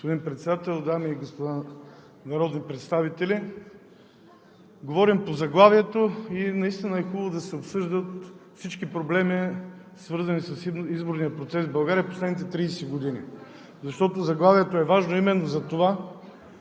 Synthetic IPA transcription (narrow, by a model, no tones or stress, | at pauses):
ospod̪inpɾɛt̪sɛd̪at̪ɛlˠd̪amiːɡospod̪a | nɐɾɔd̪nipɾɛt̪st̪avit̪ɛli | ɡovɔɾimpozɐɡlˠaviɛt̪oinɐist̪inəɛxubəbvod̪ɐsɛopsɤʒd̪ət̪fsit͡ʃkipɾoblɛmisvɤɾzɐnisɐsizboɾnijɐpɾot̪sɛzvbɐlˠɡaɾiəposlɛd̪nit̪ɛt̪ɾiːsɛɡod̪inḭ | zɐʃt̪ɔt̪ozɐɡlˠaviɛt̪oɛvaʒnoimɛnːozɐt̪ova